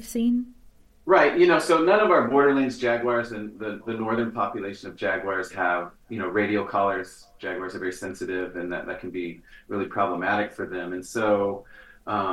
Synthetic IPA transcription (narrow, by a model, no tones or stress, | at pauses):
v̥sĩn | ɹaɪt̚jɨnoʊsoʊnʌ̃nʌvaʊə˞bɔɹɾə˞lẽnzd͡ʒæɡwɑɹzɨ̃nðɨðɨnɔɹðə̃˞npʰɑpjɨleɪʃɨ̃nʌvd͡ʒæɡwɑɹz̥əv̥jɨñoʊɹeɪɾioʊkʰʌlˠə˞z̥ | d͡ʒ̥æɡwɑɹzə˞vɛɹisɛ̃nsɨɾɪvɨ̃nðɨ̰t̪̚ðɨt̚kʰn̩biɹɪlˠipʰɹ̥ɑbləmæɾɨkfə˞ðɨ̃mɨ̃nsoʊʔʌ